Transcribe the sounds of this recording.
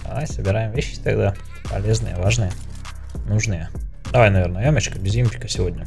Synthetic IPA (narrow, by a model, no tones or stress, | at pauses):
d̪ɐ̰vajsəbʲɪɾajɪmvʲeɕːɪ̥t̪ɐɡd̪a | pɐ̰lʲeznɨjə̰vaʐnɨjə | nuʐnɨjə | d̪ɐvajnɐvʲeɾnəjomʲət͡ɕkəbʲɪzʲimʲpʲɪ̥kəsʲɪvodʲnʲə